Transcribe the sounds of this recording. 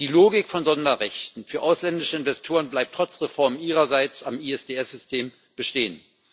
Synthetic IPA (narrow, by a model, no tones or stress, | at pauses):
d̥iːloːɡɪkfɔnzɔndɐʁɛçtn̩fyːɐʔaʊslɛndɪʃəɪnvɛstʰoːʁ̞ənblaɪp̚tʁ̥ɔt͡sʁ̥efɔɐmnʔiːʁɐzaɪt͡samiɛsd̥eːɛsz̥ʏstʰeːm | b̥əʃteːən